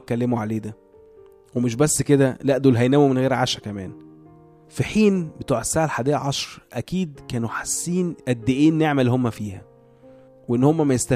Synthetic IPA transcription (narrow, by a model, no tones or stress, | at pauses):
kːælːemuʕaleːd̪æ | wemeʃ̬bæsːked̪ælæʔd̪ulɦæjnæmumenɣeːɾʕa̰ːʃækæmæ̰ːn | fiħiːnbet̪uːʕesːaːʕalħaːd̪iːʔʕɑʃɾʔækiːd̪kæːnuħḁsːiːnʔæd̪ːeʔiːnːjeʕmælːhomːæfiːhæ | weʔenːhomːæmæjest̪æ